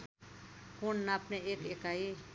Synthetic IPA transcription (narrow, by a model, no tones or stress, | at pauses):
kunnapneekekai